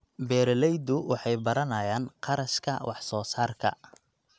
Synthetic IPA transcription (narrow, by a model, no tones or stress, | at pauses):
bɛːɾɛlɛjd̪ʊwɑħɑjbɐɾɐnɐjaːnqʰɑɾɐʃkʰɐ̰wʔɑħsɔːsaːrkʰɐ̰